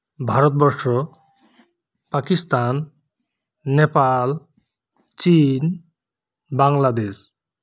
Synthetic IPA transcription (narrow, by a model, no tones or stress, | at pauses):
bʱaɾɔt̪̚bɔʃɔ | pakist̪an | epal | t͡ʃin | baŋlad̪es